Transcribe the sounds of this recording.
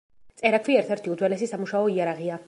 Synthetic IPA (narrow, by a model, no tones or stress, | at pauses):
t̪sʼɛɾakʰwiɛɾt̪ʰɛɾt̪ʰiud̪zwɛlɛsisamuʃaɔiaɾaʁia